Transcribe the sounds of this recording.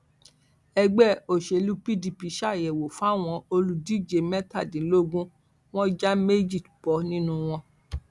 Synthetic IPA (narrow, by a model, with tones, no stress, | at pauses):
ɛ˧ɡ͡bɛ˦˨o˨ʃe˨lu˦pi˦di˧pi˧˦ʃa˦˨jɛ˨wo˨fa˦˨w̃ɔ̃˧o˧lu˦di˦d͡ʒe˧˦mɛ˦ta˦˨dĩ˨˦lo˦ɡũ˦ | w̃ɔ̃˦d͡ʒa˦me˦d͡ʒi˦˨bɔ˨˦nĩ˦nũ˧w̃ɔ̃˧